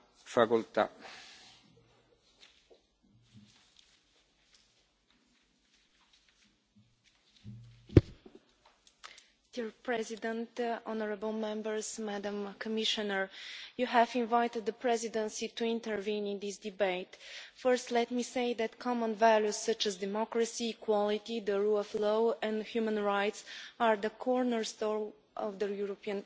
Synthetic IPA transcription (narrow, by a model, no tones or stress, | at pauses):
fakult̪a̰ | d̪̥iɹpʰɹɛzidə̃ntɔnəɹəbəlˠmɛ̃mbə˞zmædə̃mkʰəmɪʃənə˞juɦævĩnvaɪtɨd̪̚ðəpʰɹɛzidə̃nsituɪ̃ntə˞vĩnɪ̃nðɪsd̥ɨbeɪtfɜ˞stlɛt̚miseɪðætkʰɑmə̃nvælˠjuz̥sʌt͡ʃæzdɛmɔkɹəsiːkʰw̥ɔlˠitiðəɹulɔvloɛ̃ndhjumə̃nɹaɪtsəɹðəkʰɔɹnəɹstɔɹ | ʔɔvðəjuɹopiə̃n